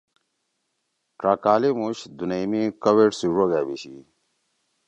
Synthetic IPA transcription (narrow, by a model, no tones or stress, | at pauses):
ʈɾaːkaːlimuɕd̪unemikɐweʈsiʐoɡaːbiɕi